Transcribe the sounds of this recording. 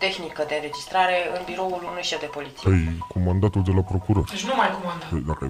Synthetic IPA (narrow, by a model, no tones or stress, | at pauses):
t̪e̞xnikəd̪e̞ɨnɾe̞d͡ʒist̪ɾaɾe̞ɨnbiɾo̞ulunujʃevd̪e̞po̞lit̪sieejkomand̪at̪uld̪elapɾokuɾoɾd̪et͡ʃʲnumajkomand̪ad̪akə̰